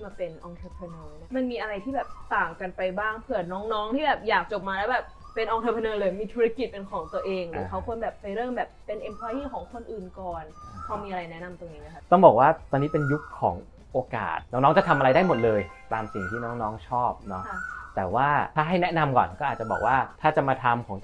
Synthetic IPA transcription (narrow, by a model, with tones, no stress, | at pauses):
maː˧pe˧nʔɔː˧ŋt̪ʰe˧˥pʰɾa˧noː˧n˦˥˩ma˧nmiː˧ʔa˧ɾa˧jt̪ʰiː˥˩bɛː˨˩p̚t̪aː˨˩ŋka˧npa˧jbaː˥˩ŋpʰɯ˨˩ət̪̚nɔː˦˥ŋnɔː˦˥ŋt̪ʰiː˥bɛː˨˩p̚jaː˨˩k̚t͡ɕo˨˩p̚maː˧lɛː˦˥wbɛː˨˩p̚ | pe˧nʔɔː˧ŋt̪ʰaː˧pʰa˧nɤː˧lɤː˧jmiː˧t̪ʰu˦ɾa˦˥ki˨˩t̪̚pe˧nkʰɔː˩˦ŋt̪u˧əʔeː˧ŋlɯ˨˦kʰa˦˥wkʰu˧ənbɛː˨˩p̚pa˧jɾɯ˥˩əŋbɛː˨˩p̚pːe˧nʔe˧mpʰɔː˧jiː˥˩kʰɔː˩˦ŋkʰo˧nʔɯː˨˩nkɔː˨˩nkʰa˦˥wmiː˧ʔa˧a˧jnɛ˦˥na˧mt̪o˧ŋniː˦˥na˧˩kʰa˦˥t̪ɔ˥˩ŋbɔː˨˩k̚waː˥˩t̪ɔː˧niː˦˥pe˧nju˦˥kʰːɔ̰ː˩˦ŋ | ʔoː˧ka̰ː˨˩t̪̚nɔ˦˥ŋnɔː˦˥ŋt͡ɕa˨˩t̪ʰmʔa˧ɾa˧jdaː˥˩jmo˨˩t̪̚lɤː˧jt̪aː˧msi˨˩ŋt̪ʰiː˥˩nɔː˦˥ŋnɔː˦˥ŋt͡ɕʰɔː˥˩p̚nɔ˦˥˧t̪ɛː˨˩waː˥˩t̪ʰaː˥˩ɦa˥˩jnɛ˦˥na˧mkɔ̰ː˨˩nkɔː˥˩aː˨˩t̪̚t͡ɕa˨˩bɔ̰ː˨˩k̚waː˥˩t̪ʰaː˥˩t͡ɕa˨˩maː˧t̪ʰa˧mkʰɔː˩˦ŋ